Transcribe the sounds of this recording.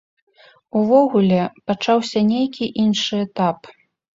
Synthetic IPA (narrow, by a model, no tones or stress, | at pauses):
uvɔɣulʲɛpat͡ʂawsʲɐnʲejkʲiʔinʂɨɛt̪ap